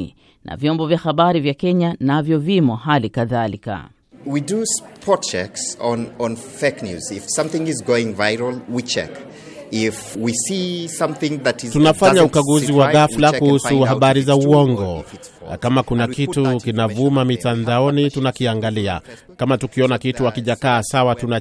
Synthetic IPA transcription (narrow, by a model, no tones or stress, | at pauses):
nʔa̰vjɔmbɔvjahaɓaɾivjakɛɲanavjɔvimɔɦalikaðalika̰ | widɨspʰɔt̚t͡ʃɛ̰ksnɔ̃nfeknjʉ̰zɪfsʌ̃mθɪ̃ŋɪzɡoʊɪ̃ŋvaɪɾl̩ˠwit͡ʃʰɛ̰k | ɪfwisisʌ̃mθɪ̃ŋðɨtɨztunafaɲaukaɡuziwaɣaflakuhusuhaɓaɾizauɔŋɡɔ | kamakunakitukinavumamitandaɔnitunakiaŋɡalia̰ | kamatukiɔnakituakiʄakaːsawatuna